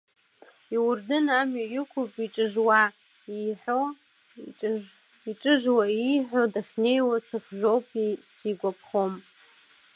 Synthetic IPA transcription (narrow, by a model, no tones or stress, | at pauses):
iwʊrdɨnamjojɪkʷʰʊpʼiʈ͡ʂʼɨʐwa | iħʷo | iʈ͡ʂʼɨʒwaiħʷᶣodaχʲne̞jwasɨχʒʷowpʼisiɡʷapʰχom